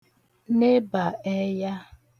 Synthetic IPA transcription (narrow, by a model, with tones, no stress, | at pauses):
ne˦ba˨ɛ˦ja˦